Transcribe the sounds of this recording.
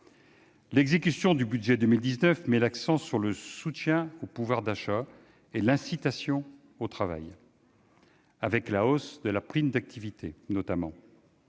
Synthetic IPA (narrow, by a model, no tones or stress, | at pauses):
lɛɡzekʲysjɔ̃d̪ybyd̪ʒɛd̪əmild̪iznœfmɛlaksɑ̃syʁləsut̪jɛ̃opuvwaʁd̪aʃa | elɛ̃sit̪asjɔ̃ | ot̪χava̰j | avɛklaosd̪əlapχimd̪ak̚t̪ʰivit̪ʰenɔt̪amɑ̰̃